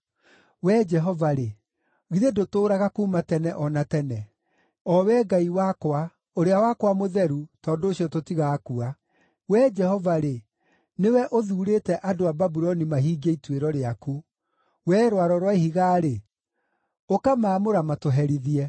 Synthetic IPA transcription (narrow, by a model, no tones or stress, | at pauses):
wɛd͡ʒɛɦɔvaɾe | ɣiðedotoːɾaɣakuːmatɛnɛʔɔnatɛnɛ | ɔwɛːɡaiwakwa | oɾeawakwamoðɛɾutɔːndoːɕjɔtotiɣakua | wɛd͡ʒɛhɔvaɾe | newɛʔoðuːɾetɛʔadoababuɾɔnimaɦiːɡeitweɾɔɾeaku | wɛːɾwaɾɔɾwaihiɣaːɾe | okamaːmoɾamatoɦɛɾiðiɛ